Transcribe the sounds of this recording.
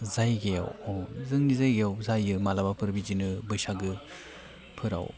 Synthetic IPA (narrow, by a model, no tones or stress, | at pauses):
zajɡeja̰wzɯŋnizajɡejawzajɯmalabapʰɯɾbizinɯbɯjsaɡɯ | pʰɯɾa̰w